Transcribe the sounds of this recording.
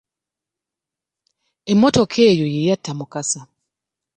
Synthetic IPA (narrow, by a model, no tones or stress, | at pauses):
emotokʰejojijatʰːamukasa